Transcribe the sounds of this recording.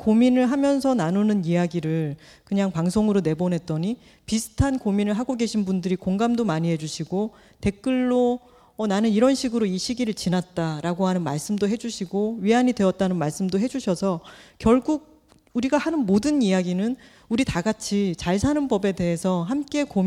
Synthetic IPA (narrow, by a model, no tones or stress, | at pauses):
kominɯɭɦamjʌnsʰʌnanunɯnijaɡiɾɯɭ | kɯɲaŋpaŋsʰoŋɯɾone̞bonɦe̞t̚t͈ʌɲi | pisʰɯ̥tʰankominɯɭɦaɡoɡe̞ɕʰinbundɯɾikoŋɡamdomaɲiɦe̞d͡ʑuɕʰiɡo | te̞k͈ɯɭːo | ʌnanɯniɾʌnɕʰiɡɯɾoiɕʰiɡiɾɯɭt͡ɕinat̚t͈aɾaɡoɦanɯnma̰ɭs͈ɯmdoɦe̞d͡ʑuɕʰiɡoɥiaɲidwe̞ʌt̚t͈anɯnmaɭs͈ɯmdoɦe̞d͡ʑuɕʰʌsʰʌkjʌɭɡuɡ̚ | uɾiɡahanɯnmodɯnijaɡinɯn | uɾitaɡat͡ɕʰit͡ɕaɭsʰanɯnbʌbe̞de̞ɦesʰʌɦamk͈e̞kom